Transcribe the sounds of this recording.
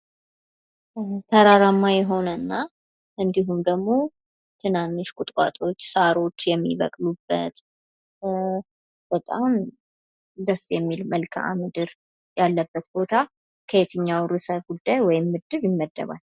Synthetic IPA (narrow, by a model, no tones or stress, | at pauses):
t̪ʰəɾaɾamːajɛɦo̞nənːa | ʔɨnd̪iɦumd̪əɡmo̞ | t̪ʰɨnanːɨʃkʼʊt̪ʼkʼa̰t̪ʼo̞t͡ʃːsaɾo̞t͡ʃːjɛmːḭβə̰kʼlubːə̰t̪ | b̥ət̪ʼam | d̪əsːjɛmːilməlkʰa̰ʔa̰mɨd̪ɨɾ | jalːəbːət̪bo̞t̪ʰa | kʰəet̪ʰɨɲːawɾɨsəβɡud̪ːajwɔjɪmːɨd̪ɨβjɪmːəd̪ːə̰βa̰l